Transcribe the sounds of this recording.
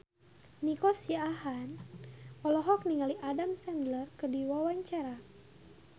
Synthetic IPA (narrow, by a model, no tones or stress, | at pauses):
nikɔsijaːɦan | ɔlɔɦɔk̚niŋaliʔadamsɛndlərkərdiwawaɲt͡ʃaɾa